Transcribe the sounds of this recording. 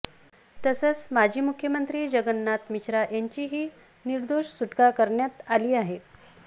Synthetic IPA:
t̪əsət͡smad͡ʑʱiːmukʰːjəmənt̪ɾiːd͡ʑəɡənːat̪miɕɾaʔjaɲt͡ɕiːɦiː | niɾd̪oʂsuʈkakəɾɳjat̪aliːaɦe

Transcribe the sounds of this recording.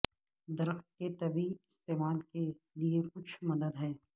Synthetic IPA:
d̪ɐɾəxt̪̚ket̪ɐbiɪst̪eːmaːlke | liekʊt͡ʃʰmɐd̪əd̪ɦɛː

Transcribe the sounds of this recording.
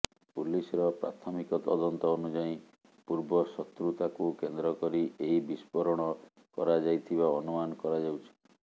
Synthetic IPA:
pulisɔɾɔpɾa̰t̪ʰɔmikɔt̪ɔ̰d̪ɔnt̪ɔːnud͡ʒaĩ | puɾbɔsɔt̪ɾut̪akukend̪ɾɔkɔɾiʔeɦibispɔɾɔɽ̃ɔ | kɔɾad͡ʒajt̪ʰiβaɔnumanɔkɔɾad͡ʒawt͡ʃʰɔ̥

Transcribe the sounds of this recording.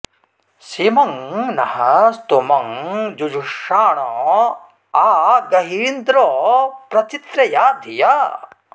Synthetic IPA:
simɐŋnɐhɐst̪umɐŋd͡ʒud͡ʒuʂaːɳɔ̃ | aːɡɐɦiind̪ɾoːpɾɐt͡ʃit̪ɾɐjaːd̪ʱija

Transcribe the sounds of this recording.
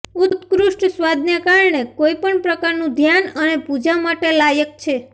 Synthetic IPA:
ut̪kɾuʂʈsʋad̪njakaɾɳekoipəɳpɾəkaɾnũd̪ʱjanənepud͡ʒamaʈelajək̚t͡ʃʰe

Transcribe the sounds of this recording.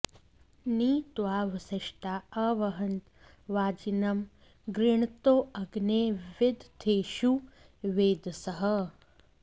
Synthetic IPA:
niːt̪ʋaːʋɐsɐʃʈaːɐʋɐɦɐnt̪ | ʋaːd͡ʒinɐm | ɡɾiɳt̪oːɐɡneːʋɪd̪ʱt̪ʰeːʃu | ʋeːd̪ʱsɐɦɐ

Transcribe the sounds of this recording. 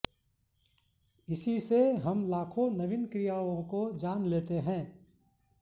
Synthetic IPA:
ɪsiseɦəmlaːkʰonəʋɪnkɾijaːʋõkod͡ʒaːnleːt̪eɦɛ̃ː

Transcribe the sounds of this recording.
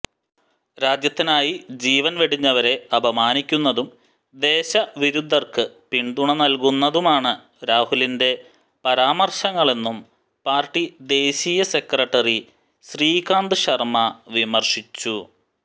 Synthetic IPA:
ɾaːd͡ʑjɐt̪ːinaːjid͡ʑiːʋɐnʋeɽiɲːɐʋɐɾe̞ɐbʱɐmaːnikʲːunːɐðum | d̪e̞ːɕɐʋiɾud̪ʱːɐrkɨpiɳɖ̪uɳɐnɐlkunːɐðumaːɳɨ | ɾaːhulinde̞ | pɐɾaːmɐrɕɐŋːɐɭe̞nːum | paːrʈːid̪e̞ːɕiːjɐse̞krɐʈːɐri | ɕriːkaːnd̪ɨɕɐrmɐʋimɐrʂit͡ɕːu

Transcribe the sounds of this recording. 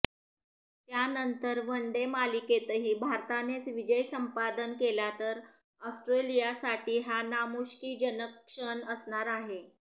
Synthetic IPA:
t̪janənt̪əɾʋəɳɖemaliket̪əɦiːbʱaɾt̪anet͡sʋid͡ʑəjsəmpad̪ənkelat̪əɾ | ɔsʈɾelijasaʈiːɦanamuʂkiːd͡ʑənəkʂənəsɳaɾaɦe

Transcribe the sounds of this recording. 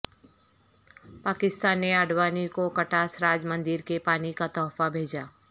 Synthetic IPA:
paːkɪst̪aːnːeɐɖwaːnikokɐʈaːsɾaːd͡ʒmə̃nd̪ɪɾkepaːnikat̪ɔːfabʱeːd͡ʒaː

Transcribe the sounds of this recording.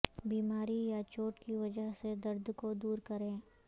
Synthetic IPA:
biːmaːɾijat͡ʃoːʈkiʋɐd͡ʒəɦsed̪ɐɾd̪ʱkod̪uːɾkɐɾẽː

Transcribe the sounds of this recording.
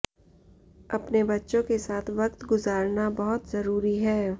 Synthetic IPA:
ɐpnebɐtːʃõkesaːt̪ʰʋɐk̚t̪ɡʊzaːɾnabɐɦʊt̪zɐɾuːɾiɦɛː

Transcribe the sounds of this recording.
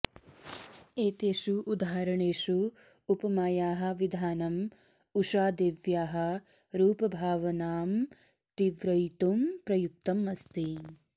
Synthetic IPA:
eːt̪eːʂuʔːd̪aːɐɾɐɳeːʂu | upɐmaːjaːɦɐ̆ʋid̪ʱaːnɐm | uʂaːd̪eːʋjaːɦɐ̆ | ɾuːpɐbʱaːʋɐnaːm | t̪iʋɾɐjt̪umpɾɐjuk̚t̪ɐmɐst̪i

